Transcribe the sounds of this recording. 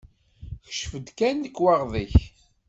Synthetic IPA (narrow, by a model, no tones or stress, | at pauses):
çə̥ʃfəd̪kænːəkːwɑʁðˤiç